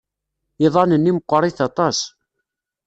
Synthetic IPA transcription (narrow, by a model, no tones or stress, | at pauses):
iðˤɑnənːiməqʷːɾˤiθɑt̪ˤɑs